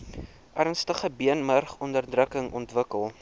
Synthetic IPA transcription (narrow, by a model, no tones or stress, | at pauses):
ʔærnstəχəbiənmərχɔndərdrəkəŋɔntvəkəlˠ